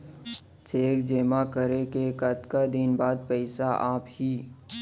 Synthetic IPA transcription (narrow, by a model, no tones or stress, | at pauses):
t͡ʃeːkd͡ʒeːmakəɾekekət̪kad̪ɪnbaːd̪̚pɛɪsaʔaːphiː